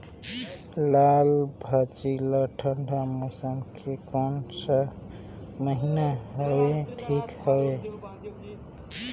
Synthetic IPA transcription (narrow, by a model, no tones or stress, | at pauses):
lalbʱət͡ʃiləʈʰəɳɖʱamosəmkʰekɔnsə | məɦinaɦoeʈʰikhoe